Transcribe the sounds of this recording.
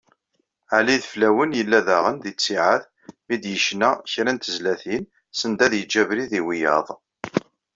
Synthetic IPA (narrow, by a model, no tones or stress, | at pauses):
ʕaliðflæwənjəlːæðæʁənd̪it͡sːiʕəθ | mid̪jəʃnæçɾænt̪əzlæθin | sənd̪æðjəd͡ʒːævɾiðiwijɑ̰ðˤ